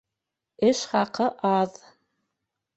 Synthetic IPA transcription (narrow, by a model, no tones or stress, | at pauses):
ɘʃχɑqɤʔɑð